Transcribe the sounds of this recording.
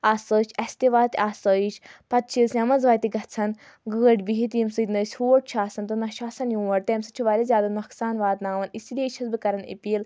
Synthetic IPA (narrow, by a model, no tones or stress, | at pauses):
aːsəːt͡ʃʰɐsʲt̪iʋaːt̪ʲaːsəːit͡ʃʰpɐt̪̚t͡ʃʰilsʲɐmɐnzʋaːt̪iɡɐt͡sʰɐn | ɡəːəʈʲbiɦit̪imsɨt̪nəːsʲhuːʈ̚t͡ʃʰaːsɐnt̪ɨnɐʃaːsɐnjũːʋɐɽt̪eːmsɨt͡ʃʰuʋaːɾʲizʲjaːd̪ɐnmɐksaːnʋaːt̪naːʋɐnisid̪eːt͡ʃʰɐsbɨkɐɾɐnḭpiːl